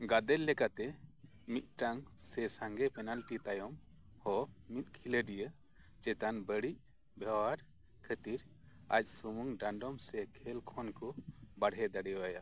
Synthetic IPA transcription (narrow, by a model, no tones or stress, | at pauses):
ɡad̪ɛllːɛkat̪ɛ | mit̪̚ˀʈaŋsɛsãŋɡɛpɛnalʈit̪ajɔm | hɔmit̪̚ˀkʰiləɖijə | d͡ʒɛt̪anbəɽic̚ | bɛwaɾ | kʰət̪iɾ | a̰c̚sumuŋɖaɳɖɔmsɛkʰɛlkʰɔnkɔbaɽɦɛd̪aɽɛjwaja